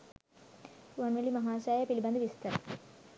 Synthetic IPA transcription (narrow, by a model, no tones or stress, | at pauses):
ʋɐnʋɐɭimɐɦaːɕaːjɐpilbɐnd̪iʋist̪ɐɾɐ